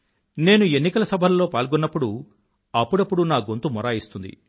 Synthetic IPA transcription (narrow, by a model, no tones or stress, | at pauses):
ne̞ːnue̞nːikɐlɐsɐbʱɐlɐlo̞ːpaːlɡɔnːɐpːuɽu | ɐpːuɽɐpːuɽunaːɡo̞nt̪umɔɾaːjist̪und̪ḭ